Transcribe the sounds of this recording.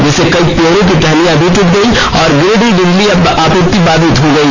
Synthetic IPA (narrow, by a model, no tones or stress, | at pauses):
d͡ʒɛːsekɐipoɾõk̬iʈʰɛlijãbʱiʈʊʈ̚ɡ̪ɐi | ɔːɾɡɾeːɖiɖɪnliɐ | aːpʊɾt̪ibaːd̪ʱit̪ɦoɡɐi